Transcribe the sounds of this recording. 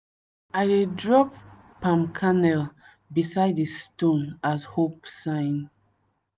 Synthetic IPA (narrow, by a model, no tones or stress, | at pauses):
aɪdedɹɔp | pãmkʰanɛl | bisaɪdistõnashopsãɪ̃n